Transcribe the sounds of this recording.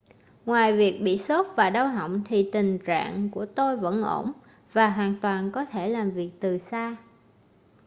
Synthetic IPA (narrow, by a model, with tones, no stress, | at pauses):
ŋwaː˨˩jvi˨˩ək̚ɓḭ˧˨so˦˥t̚vaː˨˩ɗə˧wɦə̰˧˨wŋ͡mt̪ʰi˨˩t̪ï˨˩ŋ̟t͡ɕa̰ː˧˨ŋku˧˩ət̪o˧jvə̰˧˥nʔo˧˩m | vaː˨˩ɦwaː˨˩nt̪waː˨˩nkɔ˨˦t̪ʰe˧˩laː˨˩mvi˨˩ək̚t̪ɨ˨˩saː˧